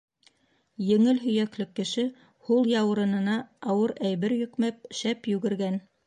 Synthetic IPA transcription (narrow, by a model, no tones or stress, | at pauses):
jɘ̆ŋɘlɦɵ̆jæklɘkːɘ̆ʃɘ | hulˠjɑwɤ̆ɾɤ̆nɤ̆nɑːwɤɾæjβɘɾjɵ̆kmæp̚ʃæpjʉɡɘ̆ɾɡæn